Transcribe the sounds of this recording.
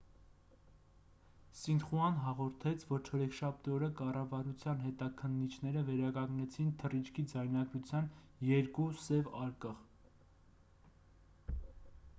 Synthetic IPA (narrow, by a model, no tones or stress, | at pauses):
sind̪χuɑnɦɑʁɔɾt̪ʰɛt͡sʰvɔɾt͡ʃʰɔɾɛkʃɑp̚t̪iɔɾəkɑrɑvɑɾut͡sʰjɑnɦɛt̪ɑkʰənːit͡ʃʰnɛɾəvɛɾɑkɑŋɡnɛt͡sʰint̪ʰərit͡ʃʰkʰid͡zɑjnɑɡɾut͡sʰjɑn | jɛɾkusɛvɑɾkəʁ